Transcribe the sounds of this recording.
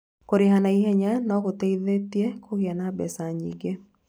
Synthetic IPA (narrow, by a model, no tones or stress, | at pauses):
koɾiɦanaiɦeɲanɔkoteiðetjekʰoɡjanabɛsaɲḭɡe